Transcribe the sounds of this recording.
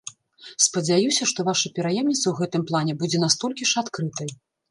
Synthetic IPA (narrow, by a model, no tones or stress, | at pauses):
spɐd͡zʲajusʲɐʂt̪ɔvaʂɐpʲɛɾajɛmnʲit̪sɐwɣɛt̪ɨmplˠanʲɛbud͡zʲɛnast̪ɔlʲkʲiʂat̪kɾɨt̪ɐj